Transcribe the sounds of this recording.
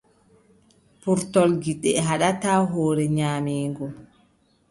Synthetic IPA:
puɾtɔlɡiɗɛɦaɗataːɦoːɾɛɲaːmeːŋɡɔ

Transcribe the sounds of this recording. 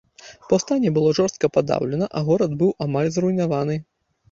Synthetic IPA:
pɐwst̪anʲɛbɨlˠɔʐɔrst̪̚kɐpad̪a̰wlʲɛnɐʔɐɣɔɾɐd̪bɨwʔamalʲzɾujnavanɨ

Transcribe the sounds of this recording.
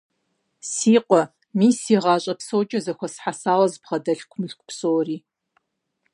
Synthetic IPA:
siːqʷʼɔ | miːsiːʁɑːɕʼɐpsowt͡ʃʼɐzɐxʷɐsħasaːwɐzbʁɐdɐɬkʷʰmɨɬkʷpsowriː

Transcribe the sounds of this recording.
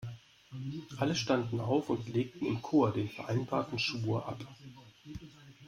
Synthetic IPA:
ʔaləʃtandn̩ʔaʊfʊntleːk̚tn̩ɪ̰mkʰoːɐdeːnfɛɐʔaɪnbaːɐtn̩ʃuːɐʔa̰p

